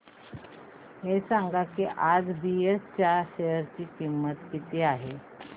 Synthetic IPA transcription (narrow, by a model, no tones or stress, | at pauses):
hesaŋɡakiʔad͡zbiest͡ɕjaɕejəɾt͡ɕiːkimːət̪kit̪iːaɦe